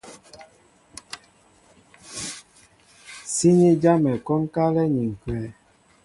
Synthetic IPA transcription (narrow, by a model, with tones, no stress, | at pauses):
si˦ɲi˦d͡ʒa˦mɛ˨kɔ˦ŋ˦ka˦lɛ˦ɲi˨ŋ̩˨kwɛ˨˦